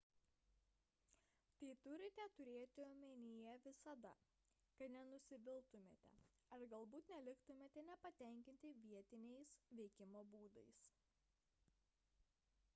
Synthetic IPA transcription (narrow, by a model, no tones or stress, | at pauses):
t̪ɐɪt̪ʊɾʲɪt̪ʲɛt̪ʊɾʲeːt̪ʲɪoːmʲenʲɪjɛʋʲɪsɐd̪ɐ̰ | kɐt̪nʲɛnʊsʲɪʋʲɪlˠt̪ʊmʲeːt̪ʲɛ̰ | ɐɾɡɐlˠbuːt̪nʲɛlʲɪkt̪ʊmʲeːt̪ʲɛnʲɛpɐt̪ʲɛˑŋʲkʲɪnʲt̪ʲɪʋʲiɛt̪ʲɪnʲɛɪsʋʲɛɪkʲɪmoːbuːd̪ɐɪs